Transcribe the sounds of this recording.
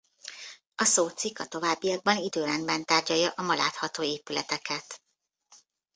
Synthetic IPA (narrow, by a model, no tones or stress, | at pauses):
ɒsoːt̪sikːɒt̪o̞vaːbːijɒɡ̚bɒnid̪øːɾɛnbɛnt̪aːrɟɒjɒʔɒmɒla̰ːt̪hɒt̪oːeːpylɛ̰t̪ɛkʰɛt̪